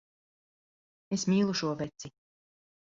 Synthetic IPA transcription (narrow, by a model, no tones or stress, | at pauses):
esmʲiːlˠuʃuɔvɛt̪si